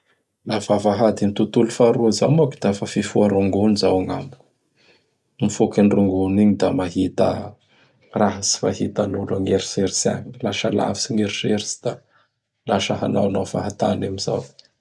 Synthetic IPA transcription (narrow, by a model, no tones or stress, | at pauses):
lafavaɦad̪imit̪ut̪ulufaɾuazamakid̪̥afafifuaɾuŋɡunizawaŋa̰mu | mifokinruŋɡuniɲid̪amaɦit̪ə̰ | raɦasi̥maɦit̪anulaŋeɾiseɾisa̰ɲilaʃəla̰visiŋeɾiseɾsi̥d̪̥a | laʃaɦanawnafa̰ɦat̪anamiza̰w